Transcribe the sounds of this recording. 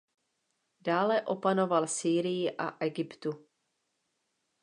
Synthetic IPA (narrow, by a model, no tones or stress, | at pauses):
daːlɛʔo̞pano̞valsiːɾɪjɪʔa̰ʔɛɡɪpt̪u